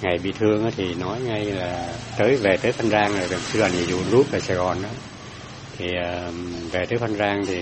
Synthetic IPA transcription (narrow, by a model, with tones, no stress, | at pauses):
ŋa˨˩jɓḭ˧˨t̪ʰɨ˧əŋʔaː˨˦t̪ʰi˨˩nɔ˨˦jŋa˧jlaː˨˩t̪əː˨˦jve˨˩t̪əː˨˦jkʰa˧nzaː˧ŋlaː˨˩zə˨˩ŋ͡msɨ˨˧za˨˩ni˨˩zṵ˧˨lu˦˥p̚ʔaː˨˩saː˨˩ɣɔ˨˩nʔaː˨˦ | t̪ʰi˨˩ʔəː˨˩ve˨˩t̪əː˨˦jkʰa˧nzaː˧ŋt̪ʰi˨˩